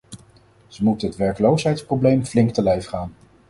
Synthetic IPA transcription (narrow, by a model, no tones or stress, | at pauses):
z̥əmutənɦətʋɛɹkəlowsɦɛjtsprowblejmflɪŋk̚təlɛjfχaːn